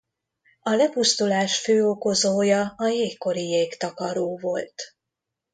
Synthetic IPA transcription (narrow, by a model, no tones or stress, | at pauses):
ɒlɛpust̪ulaːʃføːoko̞zoːjɒɒjeːkkːo̞ɾijeːkt̪ɒkɒɾoːvo̞lt̪